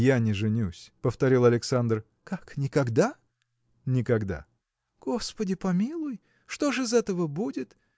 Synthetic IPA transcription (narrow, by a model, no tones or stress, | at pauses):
janʲɪʐɨnʲusʲpəft̪ɐɾʲilˠɐlʲɪksand̪r | kaknʲɪkɐɡd̪a | nʲɪkɐɡd̪a̰ | ɡ̥o̞spədʲɪpɐmʲilˠʊj | ʂt̪o̞ʐɨzɛt̪əvəbudʲɪt̪